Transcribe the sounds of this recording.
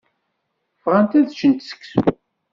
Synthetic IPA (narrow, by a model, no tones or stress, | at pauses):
fʁant̪æðd͡ʒənt̪sə̥kːs